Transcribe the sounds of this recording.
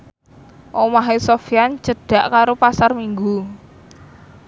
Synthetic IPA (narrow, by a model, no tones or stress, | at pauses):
ʔomaɦesofiand͡ʒ̥ə̤ɖ̥a̤ʔkaɾopasarmiŋɡu